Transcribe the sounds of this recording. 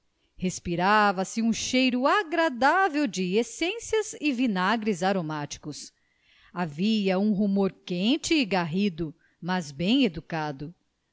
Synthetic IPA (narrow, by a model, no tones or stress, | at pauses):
hespiɾavɐsɪũʃejɾʊaɡɾad̪avewd͡ʒɪesẽsiɐzɪvinaɡɾɪzaɾomat͡ʃi̥kʊs | aviɐũɦumoɾkẽt͡ʃɪːɡaɦid̪ʊ | mɐzbẽj̃ed̪ukad̪ʊ